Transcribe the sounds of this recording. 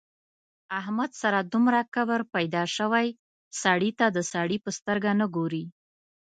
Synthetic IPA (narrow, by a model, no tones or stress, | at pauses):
ahmad̪saɾad̪umɾakawəɾpajd̪ɑʃəwaj | saɽit̪ad̪əsɑɽipəst̪əɾɡanəɡoɾi